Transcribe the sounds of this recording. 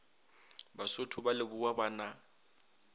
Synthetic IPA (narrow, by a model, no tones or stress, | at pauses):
basʊtʰʊbalɪbʊwabaːna